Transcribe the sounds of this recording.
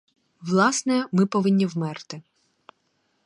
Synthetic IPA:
ʋlˠɑsnɛmɪpɔʋɪnʲːiwmɛrt̪ɪ

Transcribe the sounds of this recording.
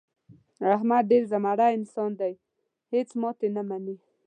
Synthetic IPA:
aɦmad̪̚ɖeɾzamaɽaɪnsɑnd̪aj | het͡smɑt̪enamani

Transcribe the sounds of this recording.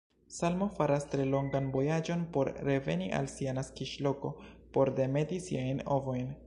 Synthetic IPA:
salmo̞faɾastɾe̞lo̞ŋɡanbo̞jad͡ʒo̞npo̞ɾːe̞ve̞̰niʔa̰lsianaskiʃlo̞ko̞po̞ɾde̞me̞disiajno̰vo̞jn

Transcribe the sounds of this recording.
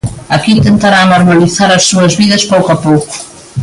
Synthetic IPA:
ɐkit̪ent̪aɾanoɾmaliθaɾɐsːuɐzβiðɐspowkapowkʊ̥

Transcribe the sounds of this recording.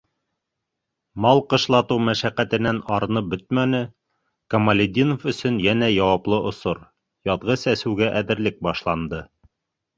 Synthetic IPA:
mɑlˠqɤ̆ʃlˠɑt̪ɤwmæʃæqæt̪ɘ̆nænɑɾɤ̆nɤp̚bɵt̪̚mænɘ | kɐmɐlʲɪd̪ʲinofɵ̆sɵnjænæjɑwɑplˠɤʔŏsoɾ | jɑðʁɤsæsʉ̆wɡæʔæðɘ̆ɾlɘk̚bɑʃlˠɑnd̪ɤ

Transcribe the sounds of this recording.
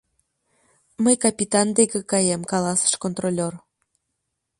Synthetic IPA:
məjkɑpʲit̪ɑnd̪ekĕkɑjemkɑlɑsə̥ʃkont̪rolʲor

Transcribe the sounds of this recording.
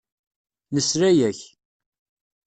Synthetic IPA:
nəsɾæjæç

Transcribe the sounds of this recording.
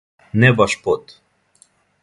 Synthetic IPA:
nɛbaʃpot̪

